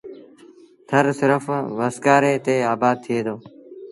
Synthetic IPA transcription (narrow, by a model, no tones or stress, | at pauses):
t̪ʰəɾsɪɾəfʋəskaːɾeːt̪eːaːbaːd̪̚t̪ʰɪeːd̪oː